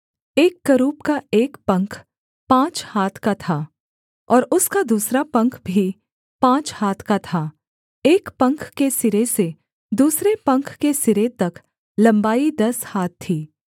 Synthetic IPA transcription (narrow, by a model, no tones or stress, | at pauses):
eːkːɐɾuːpkaeːkpɐ̃ŋkʰ | pãːt͡ʃhaːt̪ʰkat̪ʰaː | ɔːɾʊskad̪uːsɾapɐ̃ŋkʰbʱi | pãːt͡ʃhaːt̪ʰkat̪ʰaː | eːkpɐ̃ŋkʰkesɪɾese | d̪uːsɾepɐ̃ŋkʰkesɪɾet̪ɐk | lɐ̃mbaːid̪ɐshaːt̪ʰːiː